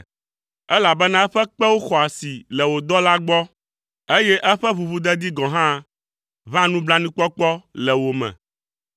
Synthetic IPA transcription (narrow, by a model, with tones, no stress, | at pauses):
ɛ˦la˨bɛ˦nã˦ɛ˦ɸɛ˦k͡pɛ˦wo˦xɔ˨a˨si˨lɛ˨wo˨d̪ɔ˦la˦ɡ͡bɔ˦ | e˦jɛ˦ʔɛ˦ɸɛ˦βu˨βu˦d̪ɛ˦d̪i˦ɡɔ̃˨ɦã˦ | βã˦nũ˦bla˦nĩ˦k͡pɔ˦k͡pɔ˦lɛ˨wo˨mɛ̰̃˨